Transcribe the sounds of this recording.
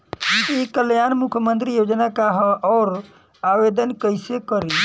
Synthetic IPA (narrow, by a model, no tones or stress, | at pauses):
ikəljanmukʰjəmənt̪ɾijod͡ʒnakaɦʔɔːɾ | aʋed̪ənkəɪsekəɾi